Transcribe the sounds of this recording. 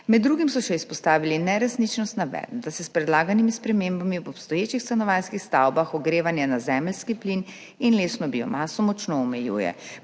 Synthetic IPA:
mɛd̪ːɾuːɡimsɔʃɛispɔst̪aːʋilinɛɾɛsnit͡ʃnɔst̪naʋɛ̰d̪d̪asɛspɾɛd̪laːɡanimispɾɛmeːmbamibɔpst̪ɔjeːt͡ʃixst̪anɔʋajnskixst̪awbaxɔɡɾeːʋanjanazɛmlskiplin | inleːsnɔbiɔ̰maːsɔmɔt͡ʃnoːmɛjṵːjɛ̰

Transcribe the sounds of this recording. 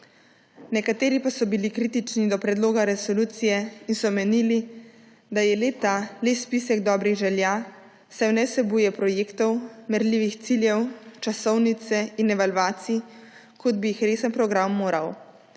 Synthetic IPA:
nɛkat̪eːɾipasɔbilikɾiːt̪it͡ʃnid̪ɔpɾɛd̪loːɡaɾɛsɔluːt̪sijɛinsɔmɛniːli | d̪ajɛlet̪alespisɛɡd̪ɔːbɾiɣʒɛlja | sajwnɛwsɛbujɛpɾɔjeːkt̪ɔwmɛɾliʋixt̪siljɛwt͡ʃasɔwnit̪sɛinɛʋalʋaːt̪si | kɔd̪̚bijixɾeːsənpɾɔɡɾamːoːɾaw

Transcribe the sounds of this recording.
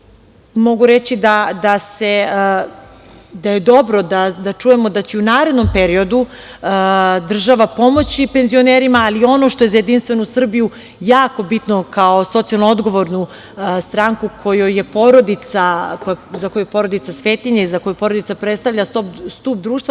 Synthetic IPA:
mo̞ɡuɾet͡ɕid̪ad̪ase̞ | d̪aje̞d̪o̞bɾod̪ad̪at͡ʃuje̞mo̞d̪at͡ɕeunaːɾe̞d̪no̞mpeɾio̞d̪uəd̪r̩ʒaʋapo̞mo̞t͡ɕipenzio̞neːɾimaːlio̞no̞ʃt̪o̞je̞zajed̪inst̪ʋe̞nosr̩biju | jaːko̞bit̪nokaoso̞t̪ijalˠnoo̞d̪ɡo̞ʋo̞ɾnu | st̪ɾaŋkukʰo̞jojepo̞ɾo̞d̪it̪sakojzakojujepo̞ɾod̪it̪sasʋe̞ːt̪iɲeizako̞jupo̞ɾo̞d̪it̪apɾet̪st̪aʋʎʲast̪opst̪uːp̚d̪ɾuːʃt̪ʋa

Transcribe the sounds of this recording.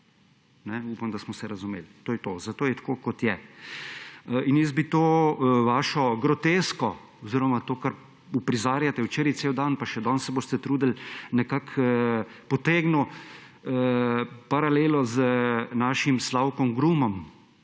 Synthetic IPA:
nɛupamd̪asmɔsɛɾazumḛːlt̪oːjɛt̪ozat̪oːjɛt̪ḁkokɔt̪jɛ | injɛzbit̪oːʋaːʃɔɡɾɔt̪eskɔ | ɔziɾɔmat̪oːkaɾ | upɾizaːɾjat̪ɛwt͡ʃeːɾitsewd̪anpaʃɛd̪ɔnsɛboːst̪ɛt̪ɾuːd̪əlnɛkak | pɔt̪eːɡnu | paɾaleːlɔzənaʃimslawkɔmɡɾumɔm

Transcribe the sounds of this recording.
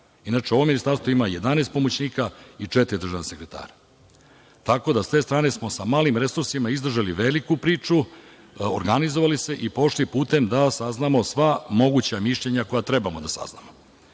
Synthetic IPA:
inat͡ʂeo̞ʋo̞mːinist̪aɾst̪ʋoimaje̞d̪aneːst̪po̞mot͡ɕniːkait͡ʂet̪iɾid̪ɾ̩ʐʒaʋnase̞kɾet̪a̰ːɾa | t̪ako̞d̪ast̪e̞ːst̪ɾaːne̞smo̞samaːlimɾe̞suɾsimaizd̪r̩ʒaliʋelikupɾiːt͡ʂu | o̰ɾɡanizo̞ʋalise̞ʔipo̞ʃlipuːt̪e̞md̪asaznamo̞sʋamo̞ɡut͡ɕamiʃʎeɲako̞jat̪ɾe̞bamod̪asa̰zna̰mo̞

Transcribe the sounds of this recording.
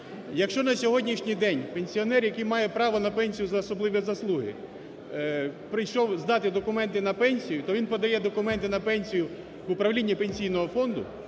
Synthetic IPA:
jɐkʃt͡ʃɔnɐsʲɔɦɔdʲnʲiʃnʲijd̪ɛnʲpenʲsʲiɔnɛrjɐkɪjmɑjɛpɾɑʋɔnɐpɛnʲsʲijʊzɐːsɔblˠɪʋʲizɐslˠuɦɪ̰ | pɾɪjʃɔwzd̪ɑt̪ɪd̪ɔkʊmɛnt̪ɪnɐpɛnʲsʲijʊt̪ɔʋinpɔd̪ɐjɛd̪ɔkʊmɛnt̪ɪnɐpɛnʲsʲijʊ | ʋʊpɾɐʋlʲinʲːipenʲsʲijnɔɦɔfɔnd̪ʊ̰

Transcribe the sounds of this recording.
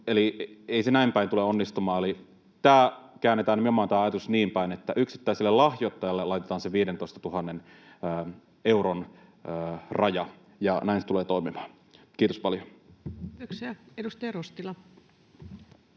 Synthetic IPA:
elieisenæimpæint̪uleonːist̪umɑːeli | t̪æːkæːnːet̪æːnmomɑːnt̪æːɑjɑt̪usniːmpæinet̪ːæʔyksi̥t̪ːæiselːelɑhjot̪ːɑjɑlːelɑjt̪et̪ɑːnseʋiːdent̪oist̪ɑt̪uɦɑnːenː | euɾon | rɑjɑ | jɑnæinse̥t̪uleːt̪oimimɑ̥ːn | kiːt̪ospɑljotoksiæedust̪ɑjɑrost̪ilɑ

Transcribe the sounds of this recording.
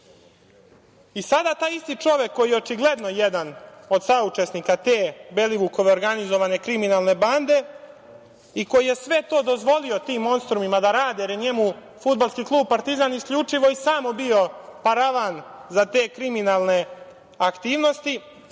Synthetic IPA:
isad̪at̪aːjist̪it͡ʂo̞ʋe̞kːo̞jijeot͡ʃiɡle̞d̪no̞jed̪ano̞d̪saut͡ʂe̞snikat̪e̞ːbe̞liʋuko̞ʋe̞o̞ɾɡanizo̞ʋane̞kɾiminalˠne̞band̪e̞ | iko̞jije̞sʋe̞t̪o̞ːd̪o̞zʋo̞lio̞t̪iːmːo̞nst̪ɾumimad̪aɾaːd̪eɾiɲemu | fud̪̚balˠskiːklˠuːb̚paɾt̪izaniskʎut͡ʂiʋo̞isaːmobio̞paɾaʋanzat̪e̞ːkɾiminaːlˠne̞ | akt̪iːʋno̞st̪i

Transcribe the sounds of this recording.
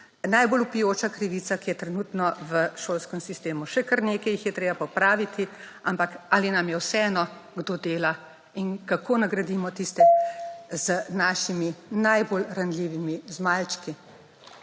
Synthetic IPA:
najbolupijoːt͡ʃakɾiʋiːt̪sakijɛt̪ɾɛnuːt̪nɔʋəʃoːlskəmsist̪eːmuʃɛkəɾneːkɛjixjɛt̪ɾeːbapɔpɾaːʋit̪ʰi | ampakaːlinamjɛwsɛɛnɔɡd̪oːd̪eːla | inkakoːnaɡɾad̪iːmɔt̪ist̪ɛ | zənaːʃiminajboːlɾanliːʋimizmalt͡ʃki

